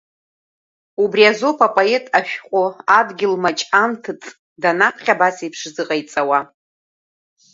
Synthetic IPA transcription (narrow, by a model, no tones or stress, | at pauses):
ubriazopʰapʼoe̞tʼaʃᶣqʷʼʊadɡʲɪlmat͡ʃʼamtʰɨt͡sʼ | danapʰχʲabasiipʰʂzɨqʼajt͡sʼawa